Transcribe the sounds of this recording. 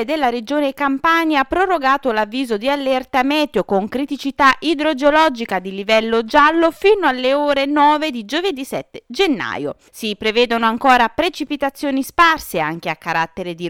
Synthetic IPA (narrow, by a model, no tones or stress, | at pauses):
d̪elːaɾed͡ʒoːnekampaɲjaapːɾoroɡaːt̪olavːiːzod̪ialːert̪amɛːt̪jokoŋkɾit̪it͡ʃit̪aʔid̪ɾod͡ʒeolɔd͡ʒikad̪ilivɛlːod͡ʒalːofinoalːeoːɾenɔːved̪id͡ʒoved̪isɛt̪ːed͡ʒenːa̰ːjo̰ | sipɾevɛːd̪onoaŋkoːɾapɾet͡ʃipit̪at̪sːjoːnisparsea̰ŋkeakːaɾat̪ːeɾed̪i